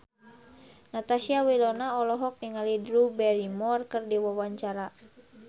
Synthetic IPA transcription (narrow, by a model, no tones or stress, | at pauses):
nat̪asiawilɔnaɔlɔɦɔk̚niŋalidɾubɛɾimɔrkərdiwawaɲt͡ʃaɾa